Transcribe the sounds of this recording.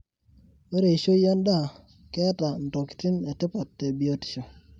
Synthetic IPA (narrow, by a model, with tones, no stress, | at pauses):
o˦ɾe˨ʃo˦jɔ˦nda˦˨ | kɛ˦ta˨n˨to˨ki̥˨ti˦ne˨tɪ˦pɔ˨tːe˨bi˨o˦ti̥˨ʃo˨